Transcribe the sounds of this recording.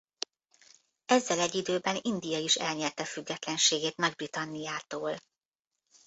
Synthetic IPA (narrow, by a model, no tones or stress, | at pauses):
ɛzːɛlɛɟːid̪øːbɛnind̪ijɒiʃɛlɲɛrt̪ɛfyɡːɛt̪lɛnʃeːɡeːt̪mɛɡ̚brit̪ɒnːijaːt̪oːl